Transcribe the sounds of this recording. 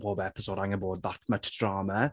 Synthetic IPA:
boːbɛpɪsoːdaŋəboːd̪̚ðatmətd̥raːmə

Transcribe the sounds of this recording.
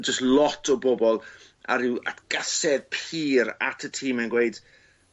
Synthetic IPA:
d͡ʒəstlɔtʰɔbɔbɔlˠ | a̰ɾɪwa̰tɡ̥asɛðpʰiːɾa̰tʰətʰiːmɛnɡwejd̥

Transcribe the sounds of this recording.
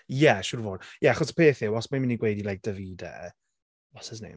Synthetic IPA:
jɛʃʊɾvoːd̥jɛaχɔsə̥pʰeːθɪwɔsmamɪniɡwejdilajk̚d̥əvidɛ̰ | ɔsəzntḭ

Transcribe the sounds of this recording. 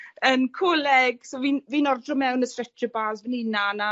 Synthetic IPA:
ənkʰoːlɛɡ̥soviːnviːnɔrdrɔmɛwnəstrɛtʰəbaːzvənɪnana

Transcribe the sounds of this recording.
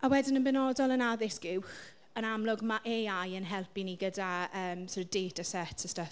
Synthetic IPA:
awɛdɪnənbɛnɔdɔlˠənaðɪsɡ̥ɪwx | ənamlˠʊɡmaʔeajənɦɛlˠpiniɡədaəːmsoɾd̥eːtəsɛtʰəstə

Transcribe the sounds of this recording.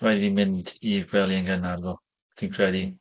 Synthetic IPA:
ajðimɪndiɡwɛlˠiəŋɡənarðɔ | d̥ʰinkʰrɛdi

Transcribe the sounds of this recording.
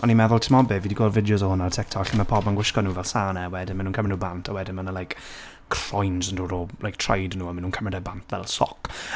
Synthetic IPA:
ɔnimɛðʊlˠtʰɪmɔbɪviːdiɡwɔrvɪdjʊzɔhʊnatʰɛk̚tʰɔɬiməpʰɔbənɡwɪʃkɔnuːvɛlˠsaːnɛwɛdɪnmanuːnkʰəmrɪduːbantʰawɛdɪnmanəlajk | kʰrɔjnzənduːɾɔlˠʔajk̚tʰrajdnuːənmanuːnkʰəmrɪdɛbantʰvɛ̰lˠsɔ̰k

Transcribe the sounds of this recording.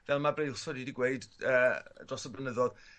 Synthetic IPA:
vɛlˠmabrejlˠsɔdidiɡweɨdəːdrɔsɔblənəðɔð

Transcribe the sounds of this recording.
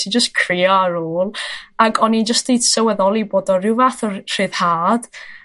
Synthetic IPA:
sid͡ʒəstkʰrɪːɔaɾoːlˠaɡɔnid͡ʒəstejd̥səwɛðɔlˠiboːdɔrɪwvaθɔr̥ɨːð̥haːd̥

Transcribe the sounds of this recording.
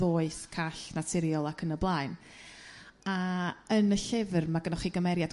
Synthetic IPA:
oːɨθkʰaɬnatʰɪɾjɔlˠakʰənəblˠaɨn | aənəɬɪvrmaɡənɔχiɡəmɛɾjad

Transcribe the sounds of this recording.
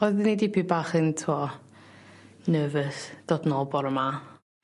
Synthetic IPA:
ɔðɪnidibʰibaːχəntʰuɔ | nəːvəθd̥ɔdnɔlˠbɔɾəma

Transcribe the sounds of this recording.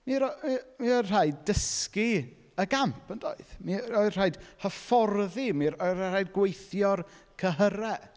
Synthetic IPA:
miɾmimiɔr̥ajdəski | əɡampʰəndʰo̰ɨðmiɔɨr̥ajd̥həfɔrðimiɔrajd̚ɡwejθjɔr | kʰəɦəɾɛ

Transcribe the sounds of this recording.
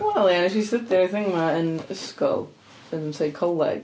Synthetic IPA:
wɛlˠæ̃nɨʃisɪt̪̚ðə˞aθɪ̃ŋkmaɨ̃nskoʊ | ɨ̃nð̃mseɪkʰoʊla̰ɪ

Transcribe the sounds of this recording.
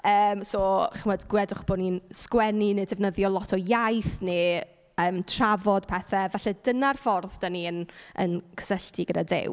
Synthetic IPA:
əːmsɔːχəmadɡwɛdʊχb̥ɔninskwɛninedɛvnəðjɔlˠɔtʰɔjajθne | əːmtʰravɔd̥pʰɛθɛvaɬɛdənarfɔrðd̥aniənə̰nkʰə̥səɬtʰiɡəda̰dḛw

